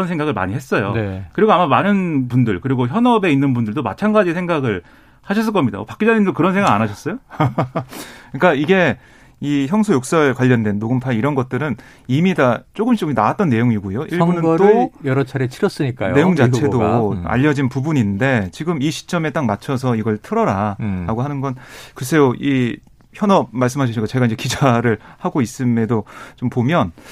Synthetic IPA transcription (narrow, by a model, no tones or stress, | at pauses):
ʌnsʰe̞ŋɡaɣɯɭma̰ɲiɦe̞s͈ʌjo̰nekɯɾiɡoamamanɯnpundɯɭkɯɾiɡoçjʌnʌbe̞inːɯnbundɯɭdoma̰t͡ɕʰanɡad͡ʑisʰeŋɡaɡɯɭ | haɕʰʌs̬͈ɯɭk͈ʌmɲida̰pak͈id͡ʑanimdokɯɾʌnsʰeŋɡaanaɕʰʌs͈ʌjo | kɯɲik͈aiɡe̞ | içjʌŋsʰojok̚s͈ʌɭkwaʎːʌndwenːoɡɯmpʰaiɾʌnɡʌt̚t͈ɯɾɯn | imidat͡ɕ͈oɡɯmt͡ɕoɡina̰wat͈ʌnːe̞joŋiɡojoiɭunɯnt͈ojʌɾʌt͡ɕʰaɾet͡ɕʰiɾʌs͈ɯɲik͈ajne̞joŋd͡ʑat͡ɕʰe̞doa̰ʎːʌd͡ʑinpubuɲinde̞t͡ɕiɡɯmiɕʰi̥t͡ɕ͈ʌme̞t͈ak̚mat͡ɕʰʌsʰʌiɡʌɭtʰɯɾʌɾaɾaɡoɦanɯnɡʌnkɯɾʌsʰe̞joʔi | çjʌnʌmaɭs̬͈ɯmɦaɕʰiɕʰik͈at͡ɕe̞ɡainɲd͡ʑe̞kid͡ʑaɾɯɭhaɡois͈ɯme̞dot͡ɕompomjʌn